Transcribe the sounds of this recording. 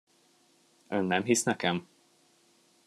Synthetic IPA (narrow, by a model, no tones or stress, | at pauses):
ønːɛmɦisnɛkɛm